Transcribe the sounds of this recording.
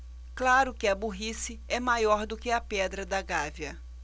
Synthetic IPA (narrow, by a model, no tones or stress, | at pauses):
klaɾʊkɪɐbuɦisɪɛmajɔɾd̪ʊkɪɐpɛd̪ɾɐd̪ɐɡavjɐ